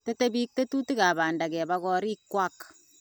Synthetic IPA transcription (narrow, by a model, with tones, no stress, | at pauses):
te˦te˦bi˦k̚te˦tu˦ti˦ka˨baː˨nda˨kɛ˨bakɔ˦ɾi˦kːwa˦k